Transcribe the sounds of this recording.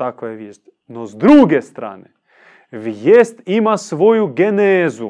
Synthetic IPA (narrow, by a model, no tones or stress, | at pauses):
akojeʋjeʃt̪ʲ | nozd̪ɾuːɡest̪ɾa̰ːne | ʋjest̪imasʋo̞juɡeneːzu